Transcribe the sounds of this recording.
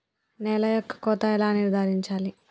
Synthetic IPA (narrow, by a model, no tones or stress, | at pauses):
nɛːlɐjɔkːɐ̥kɔːt̪ɐɛlaːniɾd̪ʱaːɾiɲt͡ʃaːli